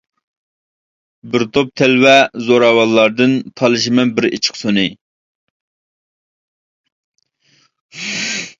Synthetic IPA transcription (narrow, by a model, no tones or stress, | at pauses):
bɪɾt̪ʰop̚t̪ʰɛlwɛzoɾɑːwɑlˠːɑɾd̪ɨnt̪ʰɑlˠɨʃ̬imɛnbɪɾḛt͡ʃʰə̥χsonɨ